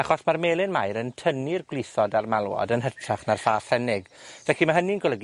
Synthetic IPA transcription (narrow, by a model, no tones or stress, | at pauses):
aχɔsmarmeːlˠɪnmajɾəntʰənirɡwlɪθɔdarmalˠwɔ̰dənɦətʰraχnarfaːθɛnɪɡvɛkimaɦəniənɡɔlˠəɡ